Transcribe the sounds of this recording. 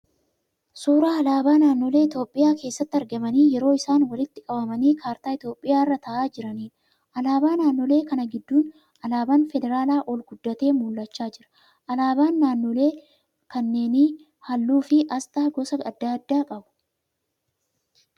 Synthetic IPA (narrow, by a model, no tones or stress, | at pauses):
suːɾaːɐlaːbaːnaːnːole̞ːɪt̪o̞ːpʼːɪjaːke̞ːsːɐt̪ːɐɾɡɐmɐniːjɛɾo̞ːɪsaːnwɐlɪt̪ːɪkʼɐbɐmɐniːkʰaːɾt̪aːɪt̪jo̞ːpʼːɪjaːɪrːɐt̪ɐʔaːd͡ʒɪɾɐniːᶑ | ʔɐlaːbaːnaːnːɔle̞ːkɐnɐɡɪd̪ːuːn | ɐlaːbaːnfɛd̪ɛɾaːlaːʔɔlɡʊd̪ːɐt̪e̞ːmuːlːɐt͡ʃːaːd͡ʒɪɾɐ̥ | ʔɐlaːbaːnːaːnːɔle̞ː | kɐnːe̞ːni | hɐlːuːfɪʔɐst̪aːɡɔsɐɐd̪ːaːd̪ːaːkʼɐbʊ̥